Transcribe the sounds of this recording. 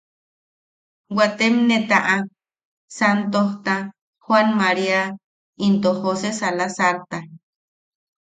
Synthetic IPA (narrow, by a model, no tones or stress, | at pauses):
wat̪emnet̪aʔa | sant̪oht̪a | hwanmaɾia | int̪ohosesalasaɾt̪a